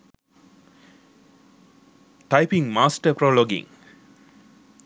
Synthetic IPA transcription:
ʈajpiŋmaːsʈəproloɡḭŋ

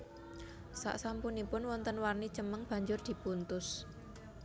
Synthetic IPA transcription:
sa̰ʔsampunipʊnwɔnt̪ənwarni̥t͡ʃəməŋb̥ä̤ɲd͡ʒʊrd̪̥i̤punt̪ʊs

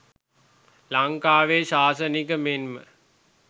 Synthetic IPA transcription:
laŋkaːʋeːʃaːsənikəmenmə̰

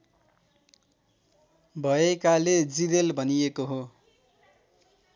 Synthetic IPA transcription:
bʱʌekaled͡ziɾelbʱʌnijekoɦo

